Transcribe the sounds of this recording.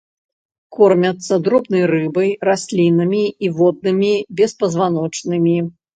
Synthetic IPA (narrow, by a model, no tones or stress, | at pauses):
kɔrmʲɐt̪sːɐd̪ɾɔbnɐjrɨbɐjrasʲlʲinɐmʲiːvɔd̪̚nɨmʲibʲɛspɐzvanɔt͡ʂnɨmʲi